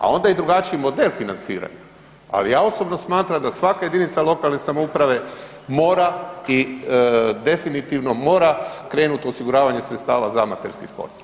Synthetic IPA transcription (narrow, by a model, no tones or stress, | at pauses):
a̰o̞nd̪aid̪ɾuɡat͡ʃiimo̞d̪e̞lˠfinant̪sḭːɾa̰ɲa | a̰lijaːo̞so̞bno̞smaːt̪ɾamd̪asʋakaje̞d̪init̪salo̞kalˠne̞samoupɾaʋe̞ | mo̞ːɾai | d̪e̞finit̪iʋnomo̞ːɾakɾe̞ːnut̪osiɡuɾaːʋaɲesɾet̪st̪aːʋazamat̪eɾskispo̰ɾt̪